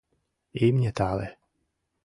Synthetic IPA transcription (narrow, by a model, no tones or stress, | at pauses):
imɲʲɛt̪aːlɛ̰